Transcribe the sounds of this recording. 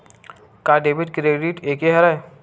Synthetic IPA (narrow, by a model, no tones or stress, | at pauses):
kaːɖebiʈkɾeːɖiʈeːkeɦɐɾa